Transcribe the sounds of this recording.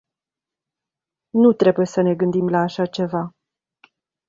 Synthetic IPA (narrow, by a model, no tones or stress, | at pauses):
nut̪ɾe̞buje̞səne̞ɡɨnd̪imlaːʃat͡ʃe̞va